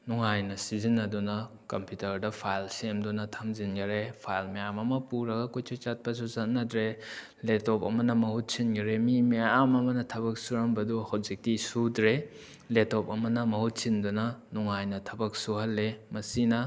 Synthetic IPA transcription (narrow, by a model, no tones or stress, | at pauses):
nuŋajnɐsizinːɐdunɐ | kɐmpjutɐɾdɐpʰajlsemdunɐtʰamzinɡɐɾepʰajlmejamɐmɐpuɾɐɡɐkojtʰot͡ʃat̚pɐs̬uzɐt̚nɐdɾe | letɔpɐmɐnɐmɐhut̚sinɡɐɾemimeamɐmɐnɐtʰɐbɐk̚suɾɐmbɐduhazik̚tisudɾe | letɔpɐmɐnɐmɐhut̚sindunɐnuŋajnɐtʰɐbɐk̚suhɐlːemɐsinɐ